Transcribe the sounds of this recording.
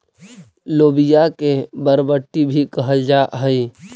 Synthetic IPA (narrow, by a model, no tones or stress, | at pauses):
loːbijakebəɾbəʈːibʱikəɦəd͡ʒaːʔɦəi